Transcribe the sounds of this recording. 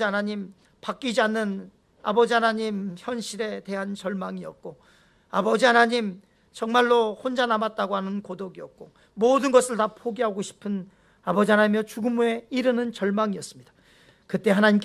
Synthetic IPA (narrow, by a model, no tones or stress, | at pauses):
ianaɲim | pak͈id͡ʑianːɯn | a̰bʌd͡ʑiɦanaɲimçjʌnɕʰiɾe̞te̞ɦant͡ɕʌɭmaŋiʌt̚k͈o | abʌd͡ʑianaɲim | t͡ɕʌŋmaɭːohond͡ʑanamat̚t͈aɡoɦanɯnkodoɡiʌt̚k͈o | modɯnɡʌs͈ʰɯɭtapʰoɡiɦaɡoɕʰi̥pʰɯn | abʌd͡ʑiɦanamjʌt͡ɕuɡumue̞iɾɯnɯnt͡ɕʌɭmaŋiʌs͈ɯmɲid̥ḁ | kɯt͈e̞ɦanaɲimk